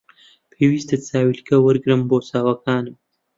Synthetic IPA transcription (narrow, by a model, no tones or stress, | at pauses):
pʰeːwist̪ɨt̪saːwilkɐwəɾɡɾɨmboːsaːwɐkʰaːnɨm